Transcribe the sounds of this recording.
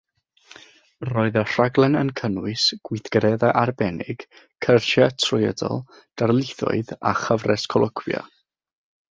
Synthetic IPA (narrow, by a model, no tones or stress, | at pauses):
rɔːɨðɔr̥aɡlˠɛnənkʰənwɨsɡ̥wɪθɡ̥ɾɛðaʔarbɛnɪ̰ɡ̥kʰərʃatʰrʊjɛdɔ̰lˠ | d̥arlˠɪθɔ̰ɨðaχəvrɛskʰɔlˠəkʰwja̰